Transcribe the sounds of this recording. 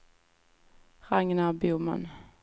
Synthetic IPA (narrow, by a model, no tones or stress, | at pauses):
ʁɑŋənæːʁbuːmɑ̰n